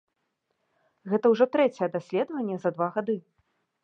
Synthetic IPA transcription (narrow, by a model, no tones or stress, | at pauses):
ɣɛt̪ɐwʐɔt̪ɾɛt͡sʲɛjɛd̪asʲlʲɛd̪ɐvɐnʲːɛzɐd̪vaɣad̪ɨ